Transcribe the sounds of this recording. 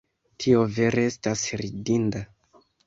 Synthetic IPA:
tʰio̞ve̞ɾeestasɾidinda

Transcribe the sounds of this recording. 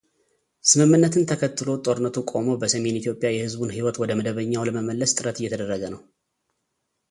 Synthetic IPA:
sɨmɨmːɨnːət̪ʰɨnt̪ʰəkʰət̪ːɨlo̞t̪ʼo̞ɾɨnːət̪ukʼo̞mobəsəme̞nit̪ʰjo̞pʼjajɛhɨzbunɦiwɔt̪wɔd̪əməd̪əβəɲːawləməməlːəst̪ʼɨɾət̪ɨjːɛt̪ʰəd̪ərːəɡənəw

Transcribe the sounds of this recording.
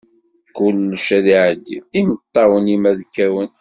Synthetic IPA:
kʊlːʃæðiʕəd̪iimət̪ˤːɑwənimæðkːæwən

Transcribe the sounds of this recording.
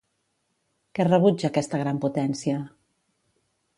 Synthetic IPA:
kɛrəβud͡ʒəːkɛst̪əɣ̞ɾamput̪ɛnsiə

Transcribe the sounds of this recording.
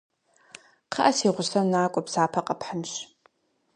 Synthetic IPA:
qʰɑ̰ʔɐsiːʁʷʊsɐmnaːkʷʼɔpsaːpʰɐqɐpħənɕ

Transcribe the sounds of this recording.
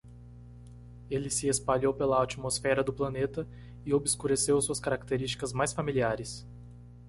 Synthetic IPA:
elɪsɪespaʎowpelɐat͡ʃimosfɛɾɐd̪ʊplɐnet̪ɐ | ɪobɪskuɾesewsuɐskaɾak̚t̪eɾist͡ʃi̥kɐzmajsfamiliaɾɪs

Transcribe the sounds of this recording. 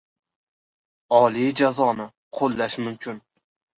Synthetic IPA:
ɒlid͡ʒazɒnɪ | qʰolˠːaʃmʊmkʲʰʊn

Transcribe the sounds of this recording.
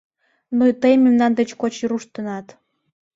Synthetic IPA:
nojt̪əjmemnɑnd̪et͡ɕkot͡ɕiɾuʃt̪ənɑt̪

